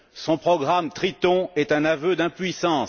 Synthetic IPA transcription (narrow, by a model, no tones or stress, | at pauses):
sɔ̃pχɔɡʁamt̪χit̪ɔ̃ɛt̪ɛ̃navød̪ɛ̃pɥisɑ̃